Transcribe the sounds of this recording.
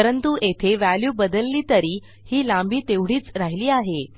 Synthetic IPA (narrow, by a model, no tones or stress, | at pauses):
əɾənt̪uʔet̪ʰeʋæljuːbəd̪əlːiːt̪əɾiː | hiːlãmbiːt̪eʋɽ̤iːt͡sɾaɦiliːaɦe